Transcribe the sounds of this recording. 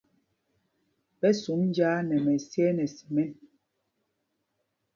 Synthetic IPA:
pɛ˦su˨˦mn˦d͡ʒaː˦nɛ˨mɛ˨sjɛ˦nɛ˨si˨mɛ˦n

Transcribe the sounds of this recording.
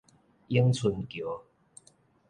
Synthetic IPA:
i˦əŋt͡sʰu˨˧˩nkjo˨˦

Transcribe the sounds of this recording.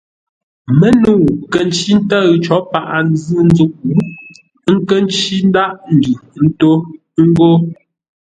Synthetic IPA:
mə˦nu˦˨kə˨n˦t͡ʃi˦n̩˦tə˦ɣt͡ʃɔ˨˦pa˨ʔa˨n˦zɨ˦n̩˦d͡zu˦˨ʔ̚bu˦ʔ | ŋ̩˦kə˦n˦t͡ʃi˦n̩˦da˦ʔn̩˨dʉ˨n̩˦to˦ | ŋ̩˦ɡo˦

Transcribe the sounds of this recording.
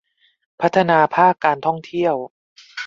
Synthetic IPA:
pʰa˦˥t̪ʰːa˧naː˧pʰaː˥˩kːaː˧nt̪ʰɔ˥˩ŋt̪ʰi˥˩əw

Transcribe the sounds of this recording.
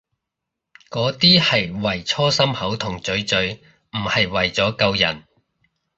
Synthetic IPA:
kɔː˨˥t̪iː˥hɐ˨jwɐ˨˩jt͡sʰɔː˥sɐ˥mhɐ˨˥wt̪ʰʊ˨˩ŋt͡sɵ˨˥ɥt͡sɵ˨˥ɥ | m̩˨˩hɐ˨jwɐ˨˩jt͡sɔː˨˥kɐ˧wjɐ̰˨˩n

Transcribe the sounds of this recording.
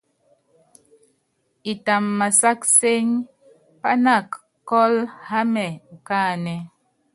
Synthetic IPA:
i˨ta˨mːa˨sa˦kse˦ɲ | pa˦na˦˨kː | ɔ˦lha˦mɛ˨ŋ̩˨kaː˦˨nɛ˨

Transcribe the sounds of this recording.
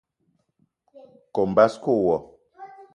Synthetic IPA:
ko˨m̩˨ba˦sko˦˨wɔ˨

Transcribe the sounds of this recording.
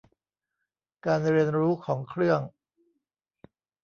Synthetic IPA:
kaː˧nɾi˧ənɾuː˦˥kʰɔː˩˦ŋkʰɾɯ˥˩əŋ

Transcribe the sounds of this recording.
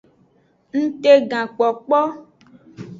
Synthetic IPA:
ŋ̩˦t̪e˦ɡã˨k͡pɔ˨k͡pɔ˦

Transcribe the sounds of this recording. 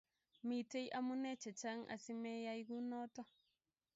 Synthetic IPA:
mi˨te˦jʔa˦mu˦ne˦t͡ʃe˨t͡ʃa˦ŋʔa̰˨si˦me˦ja˦jɡu˦no˦to˦

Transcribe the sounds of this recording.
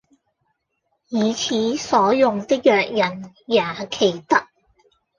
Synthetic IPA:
jiː˨˧t͡sʰiː˨˥sɔː˨˥jʊ˨ŋt̪ɪ˥k̚jœː˨k̚jɐ˨˩n | jaː˨˩kʰe˨˩jt̪ɐ˥k̚

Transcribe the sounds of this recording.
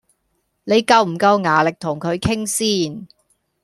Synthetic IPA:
ne˨˧jkɐ˧wm̩˨˩kɐ˧wŋaː˨˩lɪ˨k̚t̪ʰʊ˨˩ŋkʰɵ˨˧ɥkʰɪ˥ŋsiː˥n

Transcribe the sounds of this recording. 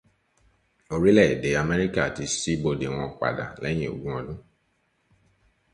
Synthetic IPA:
o˧ɾi˦lɛ˦˨de˨˦a˨mɛ˦ɾi˦ka˦˨ti˨˧˦si˦bo˧de˨w̃ɔ̃˧˨k͡pa̰˨da̰˨lɛ˨˦j̃ĩ˦˨o̰˨ɡũ˦ɔ̃˧dũ˦

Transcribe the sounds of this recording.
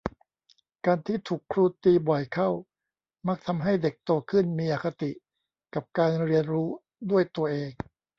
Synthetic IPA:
kaː˧nt̪ʰiː˥˩t̪ʰuː˨˩kʰɾuː˧˩t̪iː˧bɔ˨˩jkʰa˥˩w | ma˦˥k̚t̪ʰa˧mɦa˥˩jde˨˩k̚t̪oː˧kʰɯ˥˩nmiː˧ʔaː˨˩kʰa˧t̪i˨˩ʔ | ka˨˩p̚kaː˧nɾi˧ənɾuː˦˥ | du˥˩əjt̪u˧ɐʔeː˧ŋ

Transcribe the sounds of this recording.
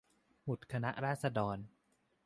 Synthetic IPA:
mu˨˩t̪̚kʰa˧na˦˥ʔɾaː˥˩t̪̚sa˧dɔː˧n

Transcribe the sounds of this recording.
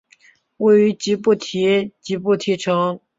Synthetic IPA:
we˥˩ɪy˧˥t͡ɕi˧˥pu˥˩˨t̪ʰɛ˧˥t͡ɕi˧˥pu˥˨t̪ʰɛ˧˥ʈ͡ʂʰɑ˧˥ŋ

